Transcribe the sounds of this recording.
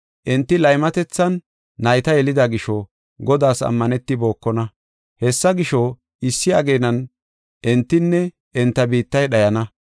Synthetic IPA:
ʔɛnt̪ːɪlɐjmɐt̪ɛt͡sːɐnː | ɐjt̪ɐjɛlɪd̪ɐɡɪʃɔ | ɡɔd̪aːsɐ̰mːɐnɛt̪ːɪbo̞ːkːɔnɐ | hɛsːɐɡɪʃɔ | ɪsːɪɐɡe̞ːnɐn | ʔɛnt̪ːɪnːɛ | ɛnt̪ːɐbiːt̪ːɐjɗɐjɐnɐ

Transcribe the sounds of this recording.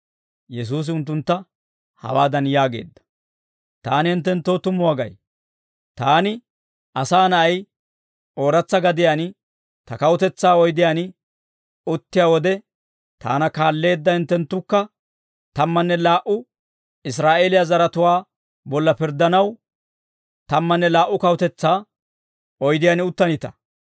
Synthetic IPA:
jɛs̬uːs̬ɪʊnt̪ːʊnt̪ːɐ | hɐ̰waːd̪ɐnjaːɡe̞̰ːd̪ːɐ̥ | t̪aːnɪhɪnt̪ːɛnt̪ːoːt̪ʊmːʊwaɡɐ̰j | t̪aːnɪ | ʔɐsaːnɐɐj | ʔo̞ːɾɐt͡sːɐɡɐd̪ɪjan | t̪ɐkɐwʊt̪ɛt͡sːaːɔjd̪ɪjaːnɪ | ʊt̪ːɪjaːwɔd̪ɛ | t̪a̰ːnɐkaːlːe̞ːd̪ːɐhɪnt̪ːɛnt̪ːʊkːɐ | t̪ɐmːɐnːɛlaːʔʊ | ɪs̬ɾaːʔe̞ːlɪjazɐɾɐt̪ʊwaː | bɔlːɐpɪɾd̪ːɐnɐw | t̪ɐmːɐnːɛlaːʔːʊkɐwʊt̪ɛt͡sːaː | ɔjd̪ɪjaːnɪʊt̪ːɐnɪt̪ɐ̰

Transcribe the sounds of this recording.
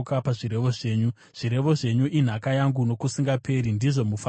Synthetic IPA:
kapaʐiɾe̞ʋo̞ʐe̞ːɲu | ʐ̥iɾe̞ʋo̞ʐe̞ɲuʔin̤akajaŋɡuno̞kusiŋɡapʰe̞ɾindiʐo̞mufa

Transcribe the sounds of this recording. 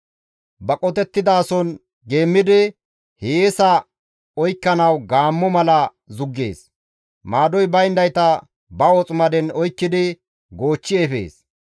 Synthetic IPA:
bɐkʼɔt̪ɛt̪ːɪd̪aːsɔn | ɡe̞ːmːɪd̪ɪ | heːsɐ | ɔjkːɐnɐwɡaːmːɔmɐlɐ | zʊɡːe̞̰ːs | maːd̪ɔjbɐjnd̪ɐjt̪ɐ | bɐɔt͡sʼʊmɐd̪ɛnɔjkːɪd̪ɪ | ɡo̞ːt͡ʃːɪefḛːs

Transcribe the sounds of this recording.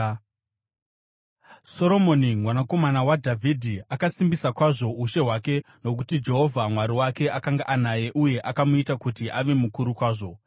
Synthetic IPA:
so̞ɾo̞mo̞niŋwanako̞manawadʱavʱidʱiakasimbisakwaʐo̞uʃe̞ɦwake̞ | no̞k̬utid͡ʒe̞ɦo̞vʱamwaɾiwake̞ʔakaŋɡaʔanaje̞ʔuje̞ʔakamuitakutiʔaʋe̞mukuɾukwaːʐo̞

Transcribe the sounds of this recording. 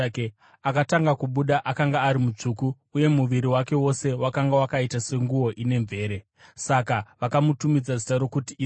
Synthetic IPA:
k | akataŋɡakuɓuɗaʔakaŋɡaːɾimut͡ʂukuːje̞muʋiɾiwake̞wo̞se̞wakaŋɡawakaitase̞ŋɡuo̞ʔine̞ɱve̞ːɾe̞ | sakaʋakamutumid͡zazi̥taɾo̞kuti

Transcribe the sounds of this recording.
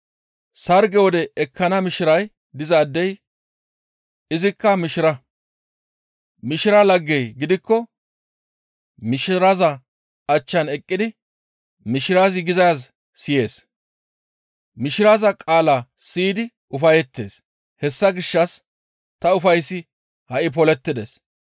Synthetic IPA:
sɐɾɡɛwɔd̪ɛɛkʰːɐnɐmɪʃɪɾɐj | d̪ɪzaːd̪ːɛj | ɪzɪkːɐmɪʃɪɾɐ | mɪʃɪɾɐlɐɡːɛjɡɪd̪ɪkːɔ | mɪʃɪɾɐzɐ | ɐt͡ʃːɐnɛkʼːɪd̪ɪ | mɪʃɪɾaːzɪɡɪzɐjaz | sɪje̞ːs | mɪʃɪɾazɐkʼaːlasiːd̪ɪ | ʊfɐjɛt̪ːeːs | hɛsːɐɡɪʃːɐs | t̪ɐʊfɐjsːɪ | hɐʔɪp̬ɔlɛt̪ːɪd̪ḛːs

